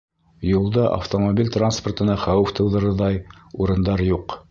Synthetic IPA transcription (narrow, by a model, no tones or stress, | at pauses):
julˠd̪ɑʔɐ̰ft̪omobʲilʲt̪ransport̪ɤ̆nɑχæwɘft̪ɤ̆wðɤ̆ɾɤðɑjuɾɤ̆nd̪ɑɾjuq